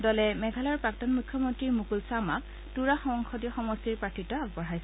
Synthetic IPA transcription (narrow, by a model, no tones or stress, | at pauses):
dɔlɛmɛɡʱalaɹpɹak̚tɔnmukʰːjɔmɔntɹiɹmukulsamak̚ | tuɹaxɔŋxʰɔdiɔxɔmɔstiɹpɹatʰitɔaɡ̚bɔɹɦajsɛ